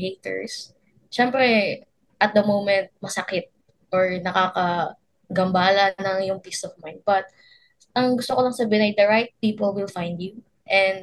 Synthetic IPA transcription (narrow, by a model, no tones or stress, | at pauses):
het̪ɛ̰ɹs | ʃɛmpɾɛ | ʔɐt̪̚d̪ɐmowmɛ̃nt̪̚mɐsɐkɪt̪̚ | ʔɔɹnɐkaːkɐ | ɡɐmbaːlɐnɐŋjʊŋpist̪ɔfmajn̚bɐt̪̚ | ʔɐŋɡʊst̪okolɐŋsɐbiɪnɐjd̪ɐɹajt̪̚piːpolwɪlfajnd̪ju | ʔɛ̃nd̪